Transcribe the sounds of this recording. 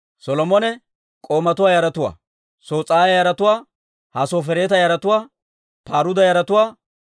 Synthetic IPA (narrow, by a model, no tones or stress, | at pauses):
sɔlɔmɔnɛ | kʼoːmɐt̪ʊwaːjɐɾɐt̪ʊwa̰ː | soːt͡sʼaːjɐjɐɾɐt̪ʊwaː | hɐsoːfɛɾeːt̪ɐjɐɾɐt̪ʊwaː | paːɾʊd̪ɐjɐɾɐt̪ʊwaː